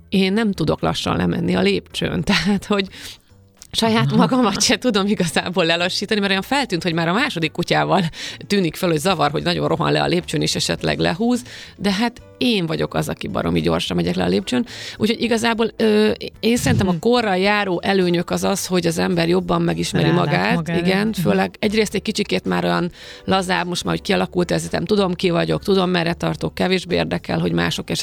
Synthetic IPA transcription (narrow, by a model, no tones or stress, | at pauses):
eːnːɛmt̪ud̪o̞̰klɒ̰ʃːɒ̰nlɛ̰mɛ̰nːiɒleːpt͡ʃø̰ːnt̪ɛɦaːt̪ho̞ɟ | ʃɒjaːt̪mɒɡɒmɒcːɛt̪ud̪o̞miɡɒza̰ːbolːɛloʃːiːt̪ɒnimɛɾojɒɱfɛlt̪yːnt̪ho̞ɟmaːɾɒmaːʃo̞d̪ikːucaːvɒlt̪yːnikfelho̞ɟzɒvɒrɦo̞ɟnɒɟo̞̰nrʔo̞ɦɒ̰nlɛ̰ɒ̰leːpt͡ʃøːneːʃɛʃɛ̰t̪lɛ̰ɡlɛ̰ɦuːzd̪ɛɦat̪ | eːɱvɒɟo̞kɒ̰zɒkibɒ̰ɾo̰mḭɟo̞̰rʃɒmːɛɟɛklɛɒleːp̚t͡ʃøːnṵcʰho̞ɟiɡɒzaːboːløːeːnsɛɾint̪ɛmɒko̞rːɒjaːɾoːʔɛløːɲø̞kɒzɒsho̞ɟɒzɛmbɛrjo̞bːɒmːɛɡiʃmɛɾimɒɡaːt̪iɡɛnføːlɛɡɛɟreːst̪ɛɟ̚kit͡ʃikeːt̪maːɾo̞jɒn | lɒzaːbmo̞ʃt̪maːɾhockiɒlɒkult̪ɛzit̪ɛ̰mt̪ud̪o̞mkivɒɟo̞kt̪ud̪o̞mːɛrːɛt̪ɒrt̪okːɛveːʒbeːḛːrd̪ɛkɛ̰lɦo̞ɟma̰ːʃo̞kɛʃ